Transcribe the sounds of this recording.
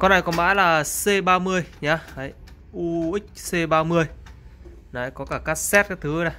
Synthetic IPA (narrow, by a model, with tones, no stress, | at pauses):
kɔ˨˧˦nʔa˨˩jkɔ˨˦nma̰ː˧˥laː˨˩se˧ɓaː˧mɨ˧əjɲaː˨˧˦ha˨˦j | ʔu˧ʔï˦˥k̟̚se˧ɓaː˧mɨ˧əj | na˨˧˩jkɔ˨˦kaː˧˩kaː˦˥k̚sɛ˦˥t̚kaː˦˥jt̪ʰɨ˨˦na˨˩j